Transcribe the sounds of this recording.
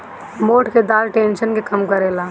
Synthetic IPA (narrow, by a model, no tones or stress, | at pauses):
moːʈʰked̪aːlʈẽːnʃənkekɐmkɐɾeːlaː